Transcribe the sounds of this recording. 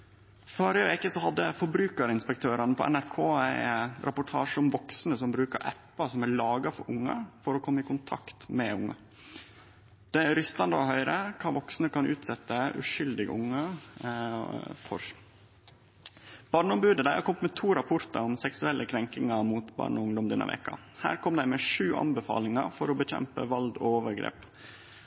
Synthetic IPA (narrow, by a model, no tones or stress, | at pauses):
foːɾəəʋeːkəsɔhɑd̪ːəfɔɾbɾʉːkəɾɪnspɛk̚t̪ʰøːɾɑnəpʰɔ̰ʔɛ̰næɾkʰoːæɪɾʔɛpʊʈʰɑːʂɔmʋɔksnəsɔmbɾʉːkəɾʔɛ̰pːɑsɔmæɭɑːɡɑfɔ̰ɾʔʊŋːə̰fɔɾɔkʰɔmːəɪkʊnt̪ʰɑ̰kt̪mɛʊ̰ŋːə̰ | d̪̥ɛɾʏst̪ɑnd̪əɔhœʏɾəkʰɑːʋɔksnəkɑnʔʉ̰ːt̪sɛt̪ːəʉ̰ʂʏld̪ɪɡə̰ʊŋːə | fɔ̰ɾ | b̥ɑːɳəɔmbʉːd̪əd̪æɪhɑ̰ɾkɔmt̪mɛt̪ʰuːɾɑpʰʊɾt̪ə̰ɾɔmsɛksʉɛlʔəkʰɾɛŋkɪŋɑmuːt̪bɑ̰ːɳɔʊŋd̪ɔmd̪ɛnːə̰ʋɛ̰kɑ̰ | hæ̰ːɾkʰɔmd̪æɪmɛʂʉːʔɑ̰nbəfɑ̰ːlɪŋɑfɔɾɔbəçɛ̰mpə̰ʋɑld̪ɔ̰oːʋəɾɡɾḛːp